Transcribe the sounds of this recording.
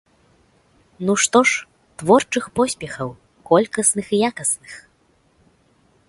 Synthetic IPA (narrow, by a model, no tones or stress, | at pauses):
nuʂt̪ɔʂ | t̪vɔrt͡ʂɨxpɔsʲpʲɛxɐw | kɔlʲkɐsnɨxjakɐsnɨx